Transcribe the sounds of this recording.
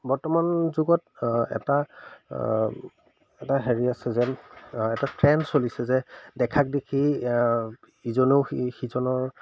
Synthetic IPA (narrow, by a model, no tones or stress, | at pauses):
bɔɹtɔmanzuɡɔtɛ̰ta | ɛtaɦeɹiasɛzɛɛtatɹɛnsolisɛzɛdɛkʰak̚dekʰi | izɔneʊxizɔnɔɹ